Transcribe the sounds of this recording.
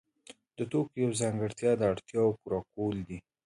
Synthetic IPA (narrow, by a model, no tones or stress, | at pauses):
d̪̥ət̪okjawzaŋɡəɽt̪jɑd̪əaɽt̪jɑwkuɾɑkold̪i